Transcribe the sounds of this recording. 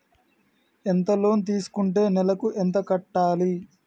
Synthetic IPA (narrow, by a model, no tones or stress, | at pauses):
ent̪ɐlo̞ːnt̪̬iːsu̥kuɳʈe̞ːnɛlɐkuʔɛnt̪ɐkɐʈːaːli